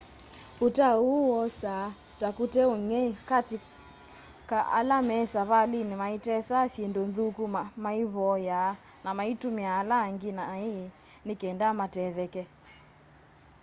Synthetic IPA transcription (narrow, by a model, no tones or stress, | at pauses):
utauwɔsa | takutɛoŋɛkati | kaʔa̰lamɛsaβalinimaitɛsasjendonðukumamaiβɔja | namaitumiaːlaːŋɡinaːi | nikɛndamatɛðɛkɛ